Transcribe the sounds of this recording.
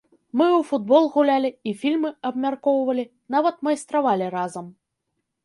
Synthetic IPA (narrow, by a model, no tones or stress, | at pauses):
mɨufud̪̚bɔlˠɣulʲalʲiifʲilʲmɨɐbmʲarkɔwvɐlʲi | n̪avɐt̪mɐjst̪ɾavalʲiɾazɐm